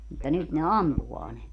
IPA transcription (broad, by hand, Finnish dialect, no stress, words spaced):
mutːɑ nyt ne ɑmpuʋɑː ne